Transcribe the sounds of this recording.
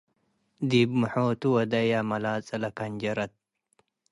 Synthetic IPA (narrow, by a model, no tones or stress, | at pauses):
d̪ibmuħoːt̪uwɐd̪ɐjaːmɐlaːt͡sʼɐlɐkɐɲd͡ʒɐɾɐt̪̚